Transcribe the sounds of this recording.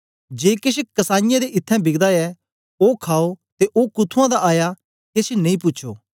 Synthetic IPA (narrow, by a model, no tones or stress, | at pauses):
d͡ʒeːkɪʃ̬kɐsaːnɪjãd̪eʔɪt̪ʰːɛ̃bɪɡd̪aɛ | oːkʰaːot̪eʔoːkʊt̪ʰuãd̪aʔaːja | kesenẽĩpʊtːʃʰo̰ː